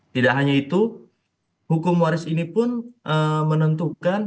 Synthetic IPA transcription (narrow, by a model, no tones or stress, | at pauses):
t̪idaʔɦaɲait̪u | hukʊmwaɾɪsinipʊnʔəmənənt̪ukan